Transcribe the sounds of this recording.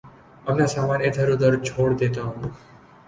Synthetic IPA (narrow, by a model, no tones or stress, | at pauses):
əmnasaːmaːnet̪ʰəɾud̪əɾt͡ʃʰoːɽd̪et̪aɦũ